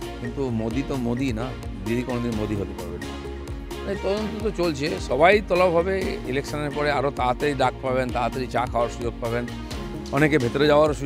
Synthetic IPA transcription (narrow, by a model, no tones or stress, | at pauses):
kint̪umod̪it̪omod̪ina | d̪id̪ʱikɔnod̪inmod̪iɦot̪epaɾben | et̪ɔd̪ont̪ot̪ot͡ɕolt͡ɕʰeʃɔbajt̪ɔlɔbɦɔbeilekʃɔneɾpɔɾeaɾot̪at̪eɾid̪ak̚ʰpabent̪at̪eɾit͡ɕakʰaoaɾʃud͡ʑoɡ̚paben | ɔnekebʱet̪oɾed͡ʑaoaɾu